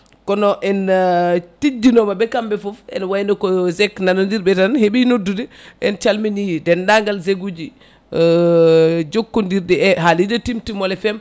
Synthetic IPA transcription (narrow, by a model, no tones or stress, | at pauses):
kɔnɔʔɛn | tid͡ʒːinɔmabɛkambɛfɔfɛ̰nwajnɔkɔzɛkːnanandiɾbɛtanheɓinodːudɛʔɛnt͡ʃalminijdɛndaŋɡalzeɡud͡ʒi | d͡ʒokːundiɾdɛɛɦalidɛtimtimɔlɛfɛm